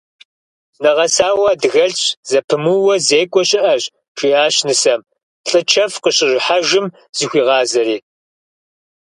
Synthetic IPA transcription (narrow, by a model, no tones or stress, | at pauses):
nɐʁɐsaːwɐdɣɐɮɕʼz̥ɐpʰɨmuwɐzeːkʷʼɔɕʼɪʔɐʑ | ʃʷiaːɕnɨsɐm | ɬʼɨt͡ʃʰɐfqəɕɪʒħaʒɪm | z̥ixʷiːʁɑːzɐɾiː